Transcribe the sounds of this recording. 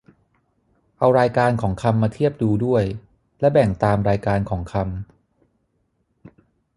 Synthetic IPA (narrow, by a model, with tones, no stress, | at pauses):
ʔa˧wɾaː˧jkaː˧nkʰɔː˩˦ŋkʰa˧mːaː˧t̪ʰi˥˩əp̚duː˧du˥˩əj | lɛ˦˥bɛ˨˩ŋt̪aː˧mɾaː˧jkaː˧nkʰɔː˩˦ŋkʰa˧m